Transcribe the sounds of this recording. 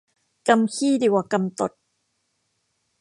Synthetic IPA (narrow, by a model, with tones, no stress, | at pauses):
ka˧mkʰiː˥˩diː˧˩wa˨˩ka˧mt̪o̰˨˩t̪̚